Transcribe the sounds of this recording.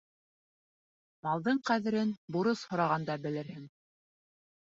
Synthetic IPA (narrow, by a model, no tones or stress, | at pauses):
mɑlˠd̪ɤɴqæðɘ̆ɾɘnbuɾɤshŏɾɑʁɑnd̪ɑbɘ̆lɘ̆ɾhɘŋ